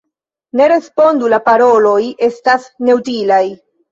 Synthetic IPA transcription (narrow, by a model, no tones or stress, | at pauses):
ne̞ɾe̞spo̞ndulapaɾo̞lo̞je̞stasne̞utilaj